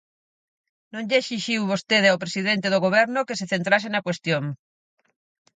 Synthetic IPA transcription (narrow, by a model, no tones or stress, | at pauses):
nõŋʎeʃiʃiwβost̪eðawpɾesið̞ent̪eð̞oɣoβ̞ɛɾnokeseθent̪ɾasenakwest̪joŋ